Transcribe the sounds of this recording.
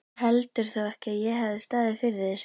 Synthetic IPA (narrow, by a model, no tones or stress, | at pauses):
hɛlt̪ʏɾ̥θawɛhcɪaðjɛɦavðɪst̪aːðɪfɪɾɪðɪs